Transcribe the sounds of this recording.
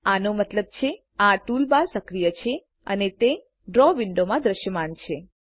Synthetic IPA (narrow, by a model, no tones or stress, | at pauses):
anomət̪ləb̚t͡ʃʰe | aʈulbaɾsəkɾijət͡ʃʰe | ə̰net̪e | ɖɾɔʋɪɳɖomãd̪ɾəʃjəmant͡ʃʰe